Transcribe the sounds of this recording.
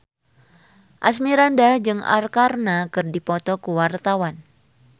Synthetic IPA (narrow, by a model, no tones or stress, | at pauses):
ʔasmiɾandahd͡ʒɨŋa̰rkarnakɨrdipɔt̪ɔkuwart̪awan